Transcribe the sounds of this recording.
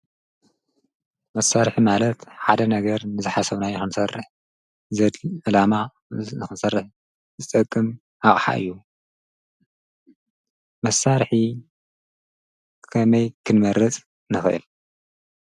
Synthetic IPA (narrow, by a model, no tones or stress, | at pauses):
mɐsːaɾħimalɐt̪ħad̪ɐnɐɡɐɾnɨzɨħasɐβnajɨxɨnsɐrːɨħ | zɐd̪ɨlama | nɨxɨnsɐrːɨħ | zɨt̪ʼɐkʼːɨm | aχʼħa̰ʔɨ̰jːu | mɐsːaɾħi | kʰɐmɐjkʰɨnmɐɾɨt͡sʼ | nɨxɨʔɨ̰l